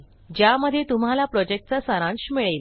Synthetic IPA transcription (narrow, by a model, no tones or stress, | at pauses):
d͡ʑjaməd̪ʱjet̪um̤alapɾɔd͡ʑek̚ʈ̚t͡sasaɾãnɕmiɭejl